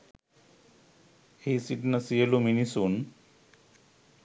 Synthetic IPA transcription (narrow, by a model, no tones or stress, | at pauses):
eisiʈnəsijəluminisun